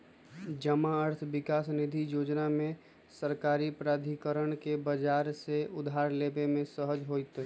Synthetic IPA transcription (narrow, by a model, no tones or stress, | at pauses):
d͡ʒəmaəɾt̪ʰʋɪkaːsnɪd̪ʱijoːd͡ʒnamẽ | səɾkaːɾipɾaːd̪ʱikəɾəɽ̃kebəd͡ʒaːɾseʊd̪ʱaːɾleːbemẽsəɦəd͡ʒɦoːit̪ː